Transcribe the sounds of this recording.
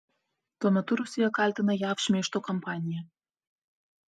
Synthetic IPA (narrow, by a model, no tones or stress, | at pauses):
t̪onot̪uɾusʲijɑkɑlʲt̪ə̆nɤ̆jɑfʃmʲeʃt̪okompɑnʲija